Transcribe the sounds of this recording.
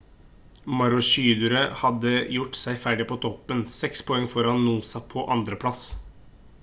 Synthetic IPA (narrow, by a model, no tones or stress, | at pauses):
mɑɾʊʃyːd̪ʉɾəhɑd̪əjʊʈːsæɪfæɖɪpʰɔːt̪ʰɔpːənsɛkspʰɔɛŋːfɔɾɑnːuːsɑpʰɔʔɑnd̪ɾəpʰlɑs